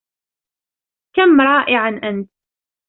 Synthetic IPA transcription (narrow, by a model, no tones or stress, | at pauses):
kamːɾˤɑːʔɪʕanʔant̪